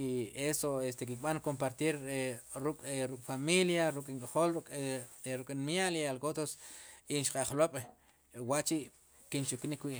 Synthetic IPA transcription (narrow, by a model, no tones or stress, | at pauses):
esoest̪ek̬ik̚ɓaŋkompaɾt̪iɾɾukʼɾukʼfamiljaɾukʼiŋkʼaχolʼɾukʼinmjalialkot̪osinʃqʼaχloɓ̥ | waʔt͡ʃiʔ | kint͡ʃuknikwiʔ